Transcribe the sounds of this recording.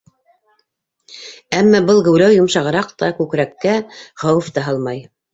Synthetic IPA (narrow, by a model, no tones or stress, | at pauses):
æmːæbɤlˠɡɘ̆wlæwjŏmʃɑʁɤ̆ɾɑqt̪ɑkʉkɾækːæχɑwɤft̪ɑɦɑlˠmɑj